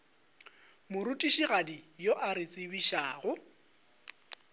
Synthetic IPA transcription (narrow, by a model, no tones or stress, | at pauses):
mʊɾutʼiʃiɣadijoʔaɾɪt͡sʼɪbiʃaːɣʊ